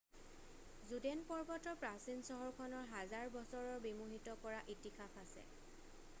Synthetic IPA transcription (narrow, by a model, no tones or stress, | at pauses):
zudɛnpɔɹbɔtɔpɹasinsɔɦɔɹkʰɔnɔɹɦazaɹbɔsɔɹɔɹbimuɦitɔkɔɹaʔitixʰapʰasɛ̰